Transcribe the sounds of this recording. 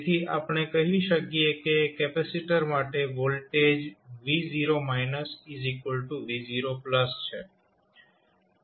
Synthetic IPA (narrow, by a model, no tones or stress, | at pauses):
t̪ʰiʔa̰pɳ̃ekəɦʋiʃəkiekekɛpɛsiʈəɾmaʈeʋolʈed͡ʒʋiziɾomaɪnəsizikəlʈuʋiziɾopləst͡ʃʰḛ